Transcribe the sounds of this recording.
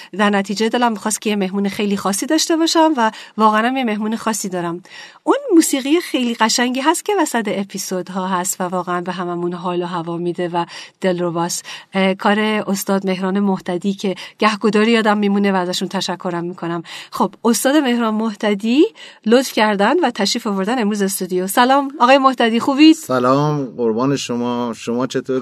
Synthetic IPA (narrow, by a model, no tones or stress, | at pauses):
d̪æɾnæt̪ʰiːd͡ʒed̪ɒlæmːixɒːst̪kʰʲejeme̞hmuːnexe̞jliːxɒːsːiːd̪ɒːʃt̪e̞bɒːʃæmvævɒːɣeænæmjeme̞hmuːnexɒːsːiːd̪ɒːɾæmʔunmuːsiːɣijexe̞jliːɣæʃæŋɟiːɦæst̪̚cʰe̞væsæt̪eepʰisod̪ɦɒːɦæst̪vævɒːɣeænbeɦæmæmunɦɒːloɦævɒːmid̪e̞væd̪̥e̞lɾobɒːskʰɒːɾe̞ost̪ɒːd̪me̞ɦɾɒːnemoht̪æd̪iːcʰe̞ɟ̥æhɡod̪ɒːɾijɒːd̪æmːiːmuːne̞væːzæʃunt̪ʰæʃækʰːo̞ɾæmːiːkʰo̞næmxo̞b̥ost̪ɒːd̪e̞me̞hɾɒːnmoht̪æd̪ilot̪fcʰæɾd̪ænd̪væt̪ʰæʃiːfovo̞ɾd̪æne̞mɾuːzest̪ud̪ijosælɒːmɒːɣɒːjemoht̪æd̪iːxuːbid̪̥sælɒːmɢoɾbɒːneʃomɒːʃomɒːt͡ʃʰet̪ʰoːɾ